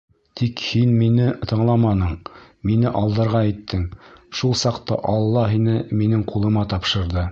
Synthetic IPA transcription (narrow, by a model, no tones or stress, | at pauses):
t̪ʰikhinminɘt̪ɤ̆ɴlˠɑmɑnɤɴ | minɘʔɑlˠd̪ɤ̆ɾʁɑit̪ːɘŋʃulˠsɑqt̪ɑ̰ʔɑlˠːɑɦinɘminɘŋqulˠɤ̆mɑt̪ɑpʃɤ̆ɾðɤ